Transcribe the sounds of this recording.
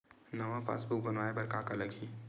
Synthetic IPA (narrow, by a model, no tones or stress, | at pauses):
nɐʋafa̰ːsbʊk̚bɐnʋaːebɐɾkakalɐɡɦiː